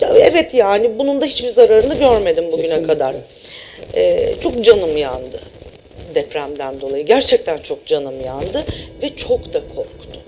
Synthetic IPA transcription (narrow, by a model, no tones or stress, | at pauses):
aɛvɛt̪jaːnibunund̪aɦit͡ʃbiɾzaɾaɾɯnɯɟøɾme̞d̪imbuɟʲynɛkʰad̪aɾ̥ | ɛt͡ʃʰo̞k̚d͡ʒanɯmjand̪ɯ | d̪ɛpɾæmd̪ænd̪o̞lˠajɯɟæɾt͡ʃʰɛc̚t̪ʰænt͡ʃʰo̞k̚d͡ʒanɯmjand̪ɯvɛt͡ʃʰokd̪akʰo̞ɾkt̪ʰʊ̥